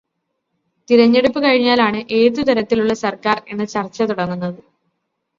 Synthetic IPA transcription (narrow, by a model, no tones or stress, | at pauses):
t̪iɾɐɲːeɽupːɨkɐɻiɲːaːlaːɳɨʔe̞ːðut̪ɐɾɐt̪ːiluɭːɐsɐrkaːre̞nːɨt͡ɕɐrt͡ɕːɐt̪uɽɐŋːunːɐðɨ